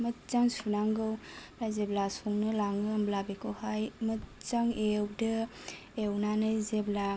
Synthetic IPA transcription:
mɐt̚t͡ʃaŋsunaŋɡɯwɾajzeblasɔŋnɯlaŋɯːmblabikʰɯwhajmətt͡ʃaŋewdɯ | ewnanɯjzebla

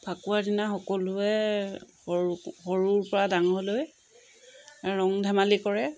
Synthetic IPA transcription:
pʰakuaɹdinaxɔkɔlʊɛ | xɔɹuɹpɔɹadaŋɦoloj | ɹɔŋdʱɛmalikɔɹɛ

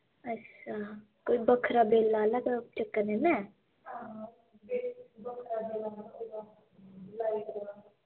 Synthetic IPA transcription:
ət͡ʃʰaː | koːibəkʰɾaːbeːlːaːləɡat͡ʃəkːənenɛː | ɦã | bebəkʰɾaːbelaa | laːiɾa

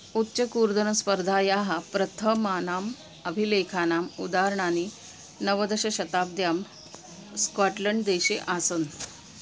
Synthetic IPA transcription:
utːɕəkuːɾd̪ənəspəɾd̪ʱaːjaɦapɾət̪ʰəmanaːm | əbʱilekʰanaːmud̪aɾɳani | nəʋəd̪əɕəɕɐt̪aːb̚d̪jaːm | skaʈləɳɖd̪eɕeʔasən

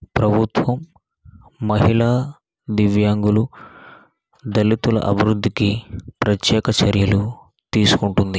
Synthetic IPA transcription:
pɾɐbʱut̪ʋɐmː | ɐɦilaː | d̪iʋjaːŋɡulu | d̪ɐlit̪ulɐ̰ʔɐbʱiɾud̪ʱːikipɾɐt̪jɛːkɐt͡ʃɐɾjɐlu | t̪iːsu̥kuɳʈund̪i

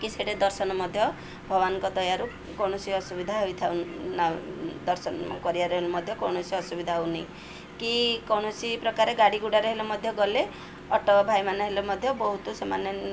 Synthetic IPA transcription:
kit͡ʃʰeʈed̪ɔɾsɔnɔmɔd̪ʱjɔ | bʱɔbanɔkɔd̪ɔjaɾu | kɔwɳ̃ɔsiɔsubid̪ʱaɦoijt̪ʰawnad̪ɔɾsɔn̰kɔɾiaɾɔɦelomɔd̪ʱjɔkɔwɽ̃ɔsiɔsubid̪ʱaɦowni | kikɔwɳɔsipɾɔkaɾeɡaɽiɡuɽaɾeɦelomɔd̪ʱjɔɡɔle | ɔʈɔbʱajmanɔɦelomɔd̪ʱjɔbɔɦut̪osɔmanɔ

